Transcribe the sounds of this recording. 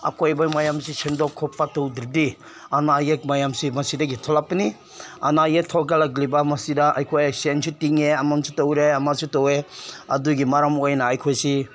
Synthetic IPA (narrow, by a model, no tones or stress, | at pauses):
a̰kojbamajamsisendokʰɔpːatowdiɾdi | anajek̚majamsimɐsidɐɡitʰɔlak̚pːɐni | a̰najek̚tʰɔɡalaɡlibɐmɐsidɐʔɐ̰jkʰojasensutiŋeɐmamsutowɾeɐmasutoweɐduɡimaɾamojnaːjkʰojsi